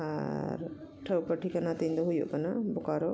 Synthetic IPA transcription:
a̰ɾʈʰəwpəʈʰikanat̪ind̪ɔɦujɔ̰ʔkanabɔkaɾɔ

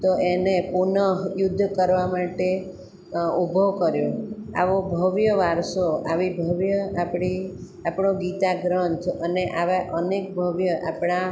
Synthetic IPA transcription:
t̪oʔenepunəɦjʊd̪ʱːkəɾʋamaʈe | ubʱokəɾjoa̰ʋobʱəʋjəʋaɾsoaʋibʱəʋjəapɽi | apɳoɡit̪aɡɾənt̪ʰəneʔaʋaʔənek̚bʱəʋjəʔa̰pɳa

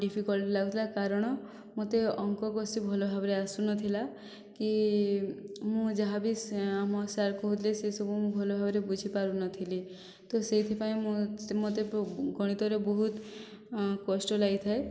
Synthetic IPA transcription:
ɖipʰikɔlʈilaɡut̪ʰilakaɾɔɽ̃ɔ | mot̪eɔŋkɔkɔsibʱɔlobʱabɔɾeasunɔt̪ʰila | ki | mũd͡ʒaɦabisamɔsaɾkɔɦut̪ʰlesesɔbʱumũbʱɔlobʱabɔɾebud͡ʒʱipaɾunɔt̪ʰili | t̪oset̪ʰipaĩmmot̪eɡɔɽ̃it̪ɔɾebɔɦut̪ | kɔsʈɔlait̪ʰae

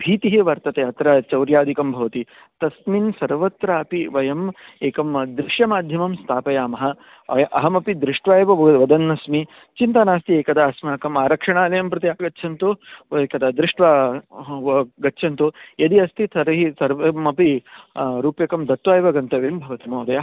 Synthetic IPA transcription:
bʱiːt̪iɦiʋɐɾt̪ɐt̪eɐt̪ɾɐt͡ʃɐwɾjaːd̪ʱikɐmbʱɐʋɐt̪i | t̪ɐsminsɐɾʋɐt̪ɾaɐpiʋɐjɐmeːkɐmd̪ɾɪʂjɐmaːd̪ʱjɐmɐmst̪ʰaːpɐjaːmɐɦɐ | ʔɐɦɐmɐpid̪ɾɪʂʈʋaːjʋɐʋɐd̪ɐnːɐsmi | t͡ʃint̪ɐnaːst̪ieːkɐd̪ɐːsmɐɦɐkɐmaːɾɐkʂɐɳaːlɐjɐmpɾɐt̪ijaːɡɐtːʃʰɐnt̪ueːkɐd̪ɐd̪ɾɪʂʈʋa | ɡɐtːʃʰɐnt̪ujɐd̪iɐst̪ʰit̪ʰɐɾɐɦisɐɾʋɐmɐpi | ɾuːpjɐkɐmd̪ɐt̪ʋaːjʋɐɡɐnt̪ɐʋembʱɐʋɐt̪imoːd̪ɐjɐ

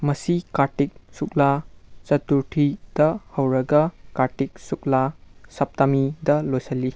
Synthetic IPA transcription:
mɐsikaɾʈik̚suk̚lat͡ʃɐtuɾʈʰid̥ɐhɐwɾɐɡɐkaɾʈik̚suk̚lasɐp̚tamidɐlojsɐli

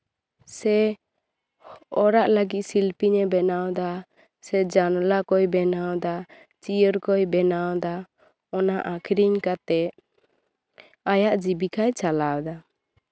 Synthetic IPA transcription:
sɛ | ɔɾaʔləɡit̪̚silpiɲɛbɛnawd̪a | sɛd͡ʒanlakɔjbɛnawd̪a | t͡ʃijəɾkɔjbɛnawd̪a | ɔnaʔakʰɾiɲkat̪ɛ | ajaʔd͡ʒibikajt͡ʃalawd̪a

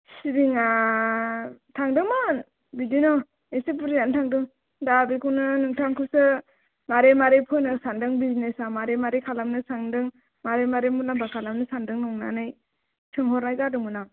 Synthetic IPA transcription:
sibiŋa | tʰaŋdɯman | bidinɔ | esepɯɾijantʰaŋdɯŋ | dabikʰunɯnɯŋtʰaŋkʰɯsɯ | maɾemaɾepʰɯnɯsandɯŋbiznesamaɾemaɾekʰalamnɯsaŋdɯŋ | maɾemaɾemulambakʰalamnɯsandɯŋnɔŋna̰nɯj | tʰɯŋhɔɾnajɡadɯmɯna

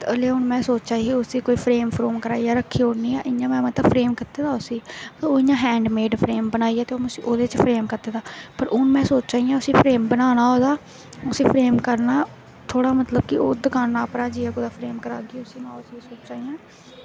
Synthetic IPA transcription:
t̪əleːʊnmɛ̃ːsoːt͡ʃt͡ʃaːiiʊsiːkoːiːpʰɾeːmpʰɾoːmkəɾaːijaːɾəkʰːiːoːɽniːaːʔɪãːmɛ̃ːmət̪əpʰɾeːmkɪt̪eːd̪aːʊsiːoːɪɲãːɦɛ̃ːɳɖmeːɖpʰɾeːmbənaːiːaːt̪eːoːʊsiːʔoːd̪eːt͡ʃpʰɾeːmkəɾt̪eːd̪aːpəɾʔʊnmɛ̃ːsoːt͡ʃt͡ʃaːijãːʊsĩːpʰɾeːmbənaːnaːɦoːd̪aː | ʊsĩːpʰɾeːmkəɾnaː | t̪ʰoːɽaːmət̪ləb̚kɪo̰ːd̪əkaːnːaːəpnaːd͡ʒiːaːkod̪aːpʰɾeːmkəɾa̰ːɡiːʊsiːnãːʊsĩːsoːt͡ʃt͡ʃaːijãː

